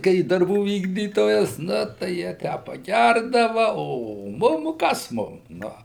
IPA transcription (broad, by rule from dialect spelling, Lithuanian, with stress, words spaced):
ˈkɐɪ dɐrˈbuː ˈʋʲiːɡdʲiːtoːjɛs ˈnʊ tɐɪ jiɛ ˈtʲæː pɐˈɡʲærdɐʋɐ oː ˈmʊm ˈkɐs ˈmʊm ˈnʊ